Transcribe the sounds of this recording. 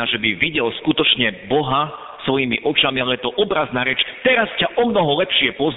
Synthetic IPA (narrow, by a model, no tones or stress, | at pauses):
aʒɛbiʋiɟɛlskut̪ɔt͡ʃɲɛbɔɦa | sʋɔjimiʔɔt͡ʃamialɛjɛt̪ɔʔɔbɾaznaːɾɛt͡ʃt̪ɛɾascaʔɔmnɔɦɔlɛpʃɪɛpʊɔz